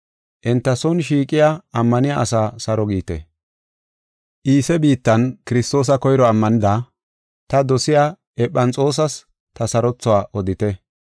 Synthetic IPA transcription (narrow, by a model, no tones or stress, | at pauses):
ʔɪnt̪ːɐsɔnʃ̬iːkʼɪjaɐmːɐnɪjaʔɐsaːsɐɾɔɡiːt̪ɛ̰ | ʔiːsɛbiːt̪ːɐnkɪɾɪst̪o̞ːs̬ɐkɔjɾɔɐmːɐnɪd̪a | t̪ɐd̪ɔsɪjaː | ɛpːɐnt͡sʼo̞ːs̬ɐs | t̪ɐsɐɾɔt͡sːɔwaːʔɔd̪ɪt̪ɛ